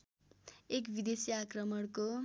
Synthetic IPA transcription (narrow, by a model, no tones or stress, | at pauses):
ekbid̪esjakrʌmʌɽko